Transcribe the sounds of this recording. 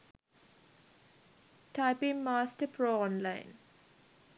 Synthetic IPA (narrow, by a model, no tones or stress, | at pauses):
ʈaɪpɪ̃ŋmaːsʈəpʰɾoːɔ̃nlãɪ̃n